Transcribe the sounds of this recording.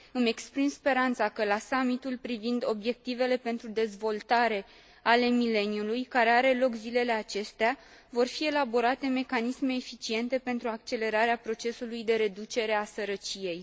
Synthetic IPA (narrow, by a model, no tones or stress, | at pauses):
ɨme̞kspɾimspe̞ɾant̪sakəlasamit̪ulpɾivind̪o̞bje̞k̚t̪ive̞le̞pe̞nt̪ɾud̪e̞zvo̞lt̪aɾe̞ | ale̞mile̞niulujkaɾe̞aɾe̞lo̞kzile̞le̞at͡ʃe̞st̪ea | vo̞rfie̞labo̞ɾat̪e̞me̞kanisme̞ːfit͡ʃie̞nt̪e̞pe̞nt̪ɾuak̚t͡ʃe̞le̞ɾaɾeapɾo̞t͡ʃe̞sulujd̪e̞ɾe̞d̪ut͡ʃe̞ɾe̞asəɾət͡ʃije̞j